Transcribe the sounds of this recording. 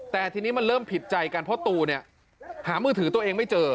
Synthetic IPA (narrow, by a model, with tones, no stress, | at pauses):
t̪ɛː˨˩t̪ʰiː˧niː˦˥ma˧nɾɤː˥˩mpʰi˨˩t̪̚t͡ɕa˧jka˧npʰɔ˦˥t̪uː˧ni˥˩ɐ | haː˩˦mɯː˧t̪ʰɯ˩˦t̪u˧ɐʔeː˧ŋma˥˩jt͡ɕɤː˧